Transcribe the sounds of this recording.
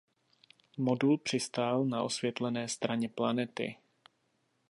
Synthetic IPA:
mo̞dulpr̝̥ɪst̪aːlnaʔo̞svjɛt̪lɛnɛːst̪ɾaɲɛplanɛt̪ɪ̰

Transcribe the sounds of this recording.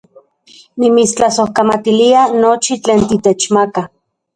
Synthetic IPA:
nimist͡ɬasohkamat̪ilianot͡ʃit͡ɬeːnt̪it̪et͡ʃmaka

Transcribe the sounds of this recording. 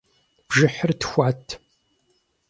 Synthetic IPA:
b̥ʒɪħərtxʷaːtʰ

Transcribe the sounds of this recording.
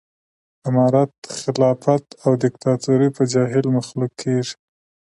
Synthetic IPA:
ɪmɑɾat̪xɪlɑfat̪awd̪ɪkt̪ɑt̪oɾipəd͡ʒɑɦɪlmaxlukʰːeʐi̥

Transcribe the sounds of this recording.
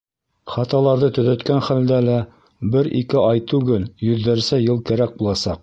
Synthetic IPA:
χɑt̪ɑlˠɑɾðɤt̪ɵ̆ðæt̪kænχæld̪ælæ | bɘɾḭkɘʔɑjt̪ʉɡɘljɵ̆ðːæɾsæjɤlˠkæɾæk̚bulˠɑsɑq̚

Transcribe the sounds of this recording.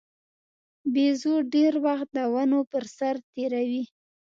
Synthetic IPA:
bezoɖeɾwaxt̪̚d̪əwanopəɾsaɾt̪eɾawi

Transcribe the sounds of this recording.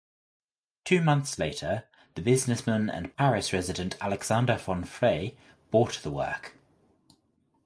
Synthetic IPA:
tʰʉːmʌ̃nθsleɪtʰə | ðəbɪznɪsmə̃nə̰̃npʰaɹɪsɹɛzɪdə̃ntʰalɛɡz̥ãndəfɒ̃nfeɪ | b̥ɔˑʔðəwɜ̰ˑk

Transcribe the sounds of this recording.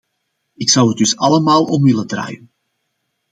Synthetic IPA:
ɪksɑwədɵsɑləmaːlˠɔmʋɪləndra̰ːjən

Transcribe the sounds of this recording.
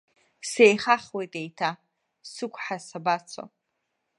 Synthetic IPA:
sejχaχwejtʼejtʰa | sɨkʷʼħasabat͡sʷʰo̰

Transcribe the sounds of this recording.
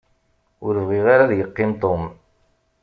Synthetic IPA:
ʊɾvʁiʁaɾaðjəqːɪmt̪ˤom

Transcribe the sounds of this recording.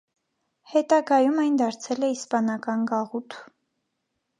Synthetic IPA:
hɛt̪ɑɡɑjumɑjnd̪ɑɾt͡sʰɛlɛispɑnɑkɑnɡɑʁut̪ʰu

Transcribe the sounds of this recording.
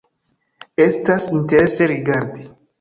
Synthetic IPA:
est̪asint̪eɾeseɾiɡaɾd̪i

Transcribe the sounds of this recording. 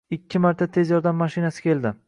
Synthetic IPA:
ɪkʲʰːɪmaɾt̪ʰat̪ʰe̞zjɒɾd̪amːaʃinasɪ̥kʲʰe̞ld̪ɪ

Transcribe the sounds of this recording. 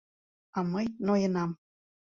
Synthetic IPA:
ɑməjnojə̆nɑm

